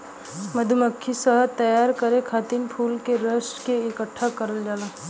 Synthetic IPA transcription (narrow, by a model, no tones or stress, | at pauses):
məd̪ʱuməkʰːisəɦt̪ɐjaːɾkɐɾẽkʰaːt̪inpʰuːlkeɾəʃʈkeɪkəʈʰːakɐɾəld͡ʒaːla